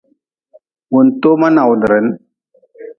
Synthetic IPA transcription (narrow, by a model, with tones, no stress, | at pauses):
wu˨nt̪o˦ma˦na˨wu˨n˨ɾe˨˦n